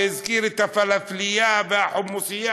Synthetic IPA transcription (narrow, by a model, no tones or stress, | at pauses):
ɪzkiːɾɪt̪afalaflɪjabaħʊmːusɪja